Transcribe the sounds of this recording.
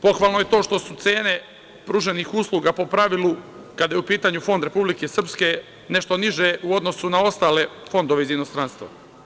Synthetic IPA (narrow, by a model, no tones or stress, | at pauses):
po̞xʋalˠno̞je̞t̪o̞ːʃt̪o̞sut̪se̞ːne̞ | pɾuʒenixuslˠuːɡapo̞pɾaʋilˠukad̪ajeupiːt̪aɲufo̞nd̪ɾe̞publikesr̩pske̞ | ne̞ʃt̪o̞niʒeuo̞d̪no̞sunao̞st̪aːle̞fo̞nd̪oʋe̞izinost̪ɾanst̪vʋa̰